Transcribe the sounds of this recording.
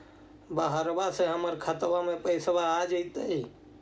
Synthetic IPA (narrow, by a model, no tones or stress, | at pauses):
bəɦəɾbaseɦəməɾkʰət̪ʋamepəɪsbaːd͡ʒəit̪əi